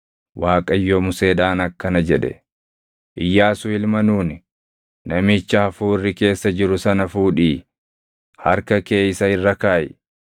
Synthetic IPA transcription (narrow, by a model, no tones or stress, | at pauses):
waːkʼɐjːomʊse̞ːd̪aːnɐkːɐnɐd͡ʒɛᶑɛ̰ | ʔɪjːaːsʊɪlmɐnuːnɪ | nɐmɪːt͡ʃːɐhɐfuːɪrːɪke̞ːsːɐd͡ʒɪɾʊsɐnɐfuːᶑiː | hɐɾkɐke̞ːɪsɐɪrːɐkaːjɛ